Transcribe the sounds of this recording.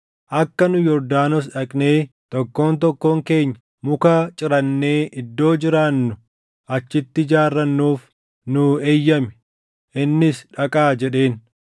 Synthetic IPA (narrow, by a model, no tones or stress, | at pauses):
ʔɐkːɐnʊjɔɾd̪aːnɔs̬ᶑɐkʼne̞ː | t̪ɔkːo̞ːnt̪ɔkːo̞ːŋke̞ːɲːɐ | mʊkaːt͡ʃʼɪɾɐnːe̞ːʔɪd̪ːo̞ːd͡ʒɪɾaːnːʊ | ʔɐt͡ʃːɪt̪ːɪd͡ʒaːrːɐnːuːf | nʊeːjːɐmɛ̥ | ʔɪnːɪsᶑɐkʼaːd͡ʒɛᶑe̞ːn